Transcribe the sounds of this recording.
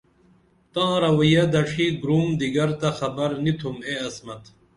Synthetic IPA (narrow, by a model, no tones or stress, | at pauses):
t̪ãːɾɐwɐjɐd̪ɐʂiɡɾumd̪iɡɐɾt̪ɐxɐbɐɾnit̪ʰumeɐsmɐt̪